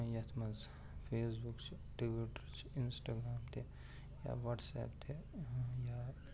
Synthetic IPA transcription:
jat̪ʰmɐz | pʰeːsbukt͡ʃʰ | ʈibiʈəɾt͡ʃʰinsʈaːɡɾaːmt̪ʰe | ja̰ʋɐʈsɛ̰ːpt̪ʰeja

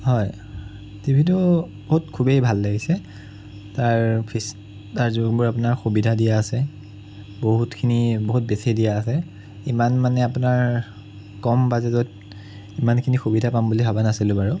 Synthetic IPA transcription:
ɦɔj | tibʱitʊ | boɦutkʰubejbʱalːaɡisɛ | taɹpʰis | taɹzuɡbʊɹap̬ʊnaɹxubidʱadijaːsɛ | boɦutkʰiniboɦut̚bɛsidijaːsɛ | imanmanɛapʊnaɹ | kɔmbazɛzɔt̚ | imankʰinixubidʱapambulibʱabanasilʊbaɹʊ

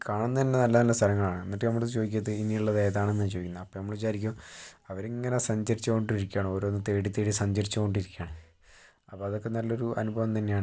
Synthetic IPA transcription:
kaːɳunːɐt̪inːenɐlːɐnɐlːɐst̪ʰɐlɐŋːɐɭaːɳɨenːiʈːɨnɐmːuɭt͡ɕoːðik̬ʲːɐðɨiniuɭːɐðeːðaːɳe̞nːɨt͡ɕoːikːunːɐpːoːnɐmːɐɭet͡ɕaːɾik̬ʲːuɐʋɐɾeŋːɐnesɐɲd͡ʑɐɾit͡ɕːuko̞ɳɖiɾikʲːaːɳoːɾoːnːɨt̪e̞ːɽit̪ːeːɽisɐɲd͡ʑɐɾit͡ɕːuko̞ɳɖiɾikʲːaːɳɨ | ɐpːoːɐðo̞kːenɐlːo̞ɾuʔɐ̰nubʱɐʋɐmt̪ɐnːejaːɳ

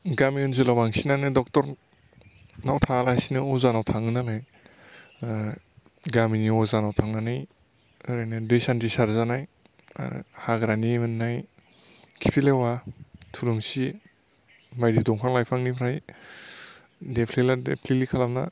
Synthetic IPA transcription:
ɡamiɔns̬ulawaŋsinanɯdɔk̚tɔɾ | nawtʰalasinɯɔzanawtʰaŋɯnalaj | ɡaminiɔzanawtʰaŋnanaj | ɯɾajnɯdesantisaɾzanaj̰ | haɡɾanimɯnːaj | kʰipʰilewatʰuluŋsi | majdidɔŋpʰaŋlajpʰaŋnipʰɾaj | depʰleladḛpʰlilikʰalamna̰

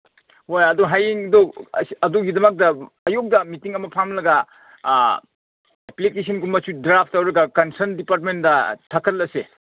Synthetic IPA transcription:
hojɐdoɦajiŋdo̰ɐdoɡidɐmɐk̚dɐ | ɐjok̚dɐmitiŋɐmɐpʰamlɐɡɐ | ɛplikes̬ʰɐnɡumɐsudɾapʰtɐwɾɐɡɐkɐnsɐɾndipaɾt̬̚mendɐtʰɐkʰɐt̚lɐse

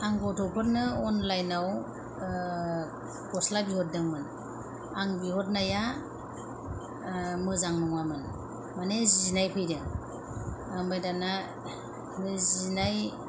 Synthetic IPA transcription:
aŋɡɔtʰɔpʰɯɾnɯɔnlajnaw | kɔslabihɔt̚dɯŋmɯn | aŋbiɦɔt̚naja | mɯzaŋnɔŋwamɯn | manezinajpʰɯjɾeŋ | aŋbajdana | nɯzinaj

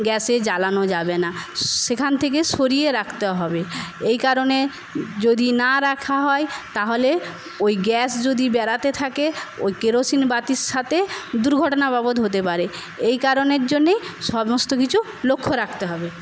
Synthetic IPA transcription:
ɡɛsed͡ʑalanod͡ʑabenaʃekʰant̪ʰek̬eʃoɾijeɾakʰt̪eaɦɔbeejkaɾone | d͡ʑod̪inaɾakʰaɦɔet̪aɦole | ojɡɛsd͡ʑod̪ibɛɾat̪et̪ʰakeo̰jkeɾosinbat̪iɾʃat̪ʰed̪uɾɡʱɔʈonababod̪ɦot̪epaɾe | ejkaɾoneɾd͡ʑonːejʃɔmost̪ok̬it͡ɕʰu | lokʰːoɾakʰt̪eɦɔbe

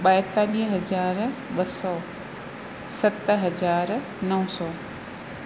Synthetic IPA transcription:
ɓaːɪt̪aːliːɦɦɐzaːɾɓɐsɔː | sɐt̪ɦɐzaːɾ | nɐʋʊ̃sɔː

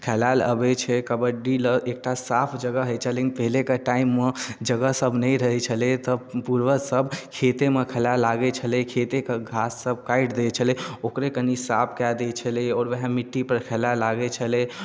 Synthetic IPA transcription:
kʰɛlalə̰bɛt͡ʃʰɛkəbəɖiləʔek̚ʈasapʰd͡ʒəɡəɦəjt͡ʃʰəlenpəɦilekəʈaimːed͡ʒəɡəsəbʱnəjɾəɦɛt͡ʃʰəlɛt̪ɔpuɾʋəsəbkʰet̪emekʰəlalːaɡɛt͡ʃʰəlekʰet̪ekəɡʱasːəb̚kaiʈd̪et͡ʃʰəleokɾekənisapʰkad̪et͡ʃʰəleɔːɾʋeɦɛ̃miʈːipəɾkʰɛlalaɡɛt͡ʃʰəlɛ

